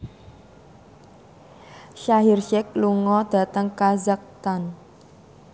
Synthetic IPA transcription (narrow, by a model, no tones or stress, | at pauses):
ʃaɦirʃɛk̚luŋɔd̪̥ä̤t̪əŋkazak̚t̪an